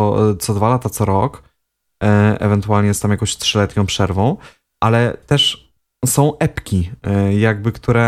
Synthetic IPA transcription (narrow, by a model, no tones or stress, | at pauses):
t̪sɔd̪valat̪at̪sɔɾɔk | ɛ̰vɛnt̪uwalɲɛjɛst̪amjakɔ̃ɕt̪ʂɘlɛt̪ɲɔ̃w̃pʂɛɾvɔ̃w̃ | ʔalɛt̪ɛʂ | sɔ̃w̃ʔɛpkʲijaɡ̚bɘkt̪uɾɛ